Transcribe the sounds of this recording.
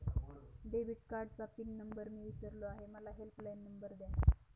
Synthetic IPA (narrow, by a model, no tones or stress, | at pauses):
ɖebiʈ̚kaɾɖt͡sapiːnːəmbəɾmiːʋit̪əɾloaɦeməlaɦelplajnːəmbəɾd̪ja